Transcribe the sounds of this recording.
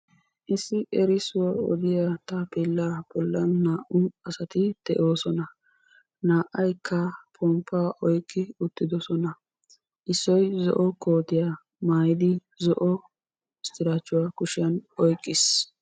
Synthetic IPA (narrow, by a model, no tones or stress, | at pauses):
ʔɪsːɪʔɛɾɪsʊwɐɔ̰d̪ɪjat̪ɐpeːlːabɔlːɐnːaːʔʊɐsɐt̪ɪd̪̥ɛʔo̞ːsɔnɐ | naːʔɐjkʰːɐpʰɔmpːaːʔɔjkʼːɪʊt̪ːɪd̪ɔsɔnɐ | ʔɪsːɔjzɔ̰ʔɔkoːt̪ɪja | maːjɪd̪ɪ | zɔʔɔ | ɪst̪ɪɾaːt͡ʃːʊwakʊʃɪjɐnɔjkʼːɪs